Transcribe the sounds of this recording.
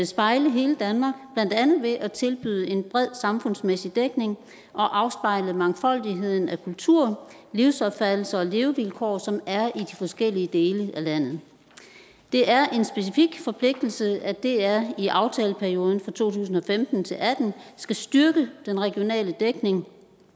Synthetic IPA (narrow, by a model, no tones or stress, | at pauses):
esb̥ɑ̈ɪləɦe̝ːləd̥ænmɑ̈ːɡ̥b̥læn̰d̥ænð̩ˠʋe̝ʔæt͡sʰe̝lb̥y̰ðˠəe̝nb̥ʁɛð̰ˠsɑ̈mfɔ̽n̰smesid̥eɡ̥ne̝ŋ | ʔɒ̽ʔɑ̈ʊsb̥ɑ̈ɪ̰lð̩ˠmɑ̈ŋfɒ̽l̰d̥iɦe̝ð̰ˠn̩ækʰult͡sʰuɐ̰ | liʊsɒ̽b̥fæd̥l̩sɐɒ̽le̝ːʊʋilkʰɒ̰ːsɒ̽mæɐid̥ifɒ̽sɡ̥el̰iəd̥e̝ːləʔælæn̰ð̩ˠ | d̥e̝ʔæɐʔe̝nsb̥e̝s̬ifiɡ̥fɒ̽pʰle̝ɡ̥̚d̥l̩səæd̥e̝æɐiʔɑ̈ʊt͡sʰɛːləpʰæɐio̝ːðˠn̩fʁɑ̈t͡sʰo̝̰ːt͡sʰṵːs̬n̩ɒ̽femd̥n̩t͡sʰe̝lʔæd̥n̩sɡ̥æsd̥yɐɡ̥əd̥enʁɛɡ̥io̝nɛ̰ːləd̥eɡ̥ne̝ŋ